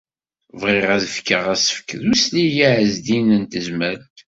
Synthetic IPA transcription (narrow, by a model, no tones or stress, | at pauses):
vʁiʁæðəfkːəʁæsə̥fkðuslijiʕəzd̪inənt̪əzmæɾt̪